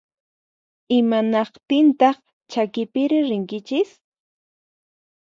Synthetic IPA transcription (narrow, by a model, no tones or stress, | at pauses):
ɪmanɑqt̪ɪnt̪ɑχ | t͡ʃakɪpɪɾɪɾɪŋkɪt͡ʃɪs